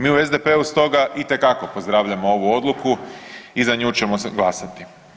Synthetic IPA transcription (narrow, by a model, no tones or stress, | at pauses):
miːue̞zd̪epeːust̪o̞ɡaʔit̪e̞kako̞po̞zd̪ɾaːʋʎamo̞o̞ʋuo̞d̪lˠukuizaɲuːt͡ʃe̞moɡlˠasat̪i